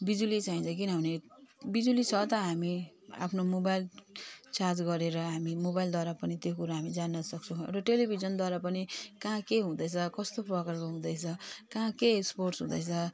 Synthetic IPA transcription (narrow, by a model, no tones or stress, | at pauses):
bid͡zulit͡saĩnt͡sʰʌk̬inʌbʌnebid͡zulit͡sʰʌt̪ʌɦami | a̰pʰnomobajlt͡sard͡zɡʌɾeɾʌɦamimobajld̪waɾapʌnit̪jokuɾaɦamid͡zanːʌsʌk̚t͡sʰʌ̃w̃ḛʈaʈelibʱizʌnd̪waɾapʌnikãkeɦũd̪ʌjt͡sʰʌkʌst̪oprʌkʌrkʌɦũd̪ʌjt͡sʰʌkãkeeksporʈsɦũd̪ʌjt͡sʰʌ